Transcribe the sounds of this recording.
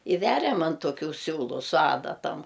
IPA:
ɪ ˈʋʲæːrʲɛm ɐn toːˈkʲuː ˈsʲuːlˠʊ sʊ ˈɑːdɐtɐm

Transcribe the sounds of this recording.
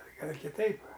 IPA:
ˈɡɐlʲ ɪr kʲɪˈtɐɪp

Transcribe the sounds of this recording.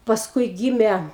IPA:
pɐsˈkʊɪ ˈɡʲiːmʲɛ

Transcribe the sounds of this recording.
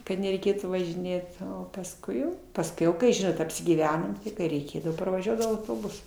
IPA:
kɐt nʲɛrʲɛɪˈkʲeːtuː ʋɐʒʲɪˈnʲeːt oː pɐsˈkʊɪ jɛʊ pɐsʲˈkʲɛʊ ˈkɐɪ ˈʒʲɪnoːt ɐpʲsʲɪɡʲiːˈʋʲæːnoːm tʲɪ kɐɪ rʲɛɪˈkʲeːdɐʋoː pɐrʋɐˈʒʲuɔdɐʋɐʊ ɐʊtoːˈbʊsʊ

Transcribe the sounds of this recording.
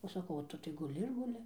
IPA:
oː sɐˈkɐʊ oː ˈtʊ tɐɪ ɡʊˈlʲɪ ɪr ɡʊˈlʲɪ

